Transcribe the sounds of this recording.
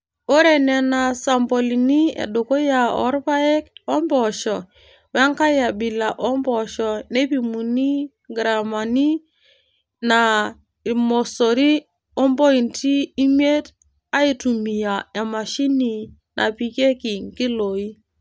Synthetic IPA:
o˦ɾe˨nɛ˨na˨sa˨mbo˨li˨ni˦ḛ˨do˨ko˦ja˨ɔ̰˦ɾpa˦e˦kɔ˦mbɔ˨ʃɔ˨ | wa˦ŋka˦ja˨bi˨la˨ʔɔ˦mbɔ˨ʃɔ˨ne˦pi˨mu˨ni˦ | ɡɾa˨ma˨ni˦ | na˨ | mo˨so˨ɾi˦ | o˦mbo˦i˨ntiː˦m˦e˦t | a˦i˨tu˨mi˨ja˨a˨ma˨ʃi˦ni˨nʔa̰˨pi˨˦ke˦ki˨ŋki˦lo˨i˦

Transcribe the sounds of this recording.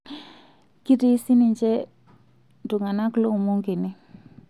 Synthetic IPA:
ki˦di˦si˦ni˨ɲd͡ʒɛ˦ | du˨ŋa˨na˦klo˦˨mu˦ŋki˨ni˦

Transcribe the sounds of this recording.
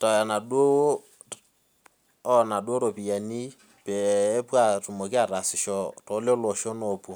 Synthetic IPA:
tɔ˨ja˨na˨ɗwo˦wo˦ | ɔ˦na˨ɗwo˦ɾo˨pi˨ja˨ni˦ | peː˨˦pwa˨tu˨mo˨ki˦a˦˨ɾa˨sɪ˨ʃɔ˦to˨˦ljo˦lo˨ʃo˦no˨pwo˨

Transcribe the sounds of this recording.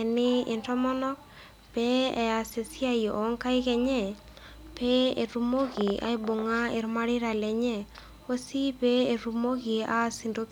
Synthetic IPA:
ɛ˨nɪ˦ɪ̰˨ntɔ˦mɔ˦nɔ˦k | pɛ˦ɛ˨a˨se˨si˦a˦jɔ˨ʔɔ˨˦ŋka˦i˦kɛ˨ɲɛ˦˨ | pɛ˦e˨ɾu˦mo˦ɣi˨a̰˦i˦bo˨ŋa˦ɪ˨ɾma˦ɾɪ˦ɾa˨lɛ˨ɲɛ˦ | o˦si˦pɛ˦e˨ɾu˨mo˦ki˨a˦˨si˨ndo˦k

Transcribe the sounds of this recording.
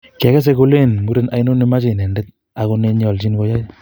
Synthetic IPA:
kɛ˨ɣɛ˦s̬eko˧le˦nŋu˦ɾe˦na˨jno˦ne˦ma˦t͡ʃe˨nɛ˨ndɛ˦t̚ | a˨ɣone˦ɲɔ˨lt͡ʃi˦nko˦ja˦

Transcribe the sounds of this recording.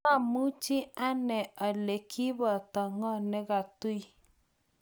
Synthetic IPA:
a˦˨mu˦t͡ʃi˦a˦nɛ˨ɔ˨le˨kʰi˦βɔ˨tɔ˨ŋɔ˦nɛ˦ɣa˨tu˦i˦

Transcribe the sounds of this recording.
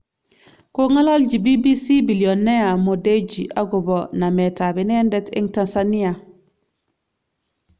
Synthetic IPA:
ko˦ŋa˦lo˦lɟi˨bi˦bi˦si˦bi˨lio˨nːe˦a˨mo˨de˦d͡ʒi˨ʔa̰˦ɡu˨bo˨na˨me˨ta˨bi˨ne˦nde˦tḭ˦ŋta˨nsani˦a˨

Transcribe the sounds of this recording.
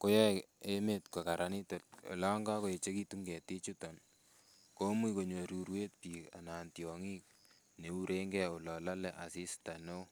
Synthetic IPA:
ko˦jɛ˦e˦me˦tko˨ka˨ɾa˦ni˦to˨t̚o̰˨la˦ŋɡa˦ko˨e˨t͡ʃe˦ki˦tu˦ŋɡɛ˨ti˦t͡ʃu˦tɔ˨n | ko˦mi˦ko˨ɲo˨ɾu˨ɾwe˦t̚piː˨ka̰˨naː˨ntjɔ˨ŋi˦k̚ | ne˨˦u˦ɾe˦ŋɡɛo˨lɔ˨la˦lɛ˦ʔa˨si˦sta˨no˦

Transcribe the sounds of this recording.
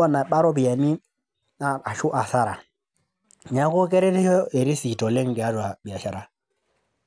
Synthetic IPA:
a˦˨na˨ɓa˦ɾɔ˦bi˨ja˨mi˦ | a˨a˨ʃu˦ʔa˨sa˦ɾa̰˨ | ɲa˦ko˦ke˦ɾɛ˦ɾi˦ɔ˦e˨ɾi˦si˨tɔ˨le˦ŋ˨ɡe˨a˦ɾu˨a˨bi˨a˨ʃa˨ɾa˦

